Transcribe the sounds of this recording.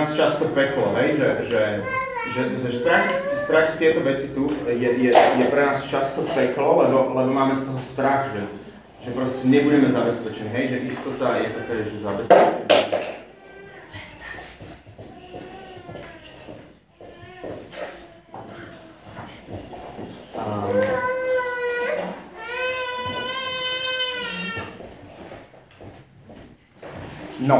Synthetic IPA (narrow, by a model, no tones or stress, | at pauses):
ast͡ʃast̪ɔpɛklɔ̰ɦɛjʒɛʒɛ | ʒɛʒɛst̪ɾaxst̪ɾaxt̪ɪɛt̪ɔʋɛt͡sit̪ujɛjɛjɛpɾɛnaːst͡ʃast̪ɔpɛklɔlɛbɔlɛbɔmaːmɛst̪ɔɦɔst̪ɾaxʒɛ | ʒ̥ɛpɾɔscɛɲɛbuɟɛmɛzabɛspɛt͡ʃɛɲɦɛjʒɛʔist̪ɔt̪ajɛt̪ɔt̪ɛʒɛzabɛspɛt͡ʃɛɲ | nɔ